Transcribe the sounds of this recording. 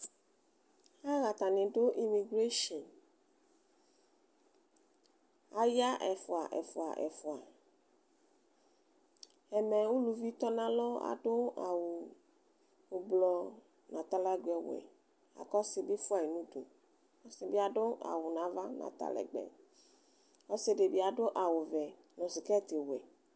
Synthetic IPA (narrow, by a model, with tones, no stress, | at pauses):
a˦ɣa˨t̪a˨nɪ̃˨ɖo˦ʔi˨mi˨ɡɾe˦ʃɔ˨n | a˨ja˦ʔɛ˨fʊ˨a˨ʔɛ̰˨fo˨a̰˨ʔɛ̰˨fo˨a˨ | ɛ˨mɛ˨wu˦lu˨vi˦t̪ɔ˦nã˦lɔ˦a̰˨ɖo˦a˨wu˨ | ɡ͡blɔ˦ | nã˨t̪a˦la˦ɡɛ˨w̰ɛ̰˨ | a̰˨kɔ˦sɪ˨bi˦fʊ˦a˨je˨nũ˦d̪o˨ | ɔ˦sɪ˦bi˦a˨ɖʊ˦a̰˨wʊ˨nã˨˦va˦nã̰˨t̪a̰˦lɛ̰˨ɡ͡bɛ̰˨ | ɔ˦sɪ˦ɖe˨bi˦a˨ɖʊ˦ʔa˨wʊ˨vɛ˨ | nɔ̃˨sɪ˨kɛ˦t̪e˨wɛ˨